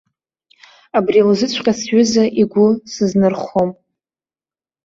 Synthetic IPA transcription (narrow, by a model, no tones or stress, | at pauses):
abrilzɨt͡sʷʰqʲʼasɥʏzaʔiɡʷʊsɨznɨrχom